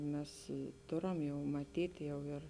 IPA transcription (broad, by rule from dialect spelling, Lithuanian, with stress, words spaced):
ˈmʲɛs ˈtoːrɐm jɛʊ mɐˈtʲiːtʲ ˈjɛʊ ɪr